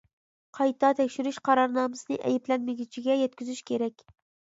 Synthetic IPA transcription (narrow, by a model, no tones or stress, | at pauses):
qʰɑjt̪ɑt̪ʰɛkʲʃyɾyʃqʰɑɾɑɾnɑːmɨsɨnɨʔɛ̰jɪplɛnmɪɡʲyt͡ʃʰiɡʲɛjɛt̪̚kʲyzyʃkʲʰeɾɛkʲ